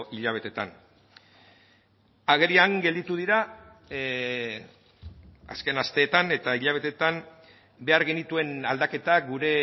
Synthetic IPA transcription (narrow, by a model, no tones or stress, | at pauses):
ʔiʎaβ̞e̞t̪e̞t̪a̰n | aɣe̞ɾiaŋɡe̞ld̪it̪uð̞iɾa | a̰ske̞nast̪e̞ːt̪ane̞t̪aiʎaβ̞e̞t̪e̞t̪am | be̞aɾɣe̞nit̪ue̞nald̪ake̞t̪aɡuɾe̞